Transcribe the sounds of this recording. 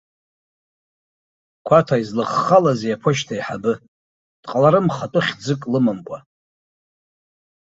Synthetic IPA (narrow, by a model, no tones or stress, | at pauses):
kʷʰatʰaizlɨχːalazejapʰoʃtʰaiħabɨ | d̥ʼqʼalaɾɨmχatʼɨχʲd͡zɨkʼlɨmambʷʼa